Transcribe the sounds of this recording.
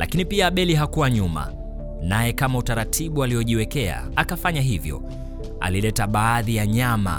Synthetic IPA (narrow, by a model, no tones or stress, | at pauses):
lʔa̰kinipiaɓɛliɦakuwaɲuma̰ | najɛkamautaɾatʰiɓualiɔʄiwɛkɛa̰akafaɲaɦivjɔ̰ | a̰lilɛtaɓaːðijaɲama̰